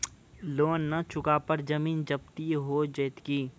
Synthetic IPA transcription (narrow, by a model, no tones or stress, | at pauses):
loːnːɐt͡ʃʰʊkapɐɾd͡ʒɐmiːnd͡ʒɐb̚t̪iɦoːd͡ʒəːt̪kiː